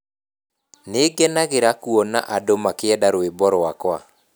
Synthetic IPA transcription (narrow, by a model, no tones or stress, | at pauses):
neɡɛnaɣeɾakuɔna̰ʔadomakeɛdaɾoebɔɾoakwa̰